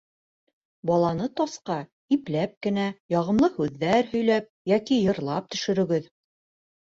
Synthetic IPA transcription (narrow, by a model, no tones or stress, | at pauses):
bɑlˠɑnɤt̪ɑsqɑ | iplæp̚kɘ̆næjɑʁɤ̆mlˠɤhʉðːæɾhɵ̆jlæp̚jækijɤ̆ɾlˠɑp̚t̪ɵ̆ʃɵ̆ɾɵ̆ɡɘð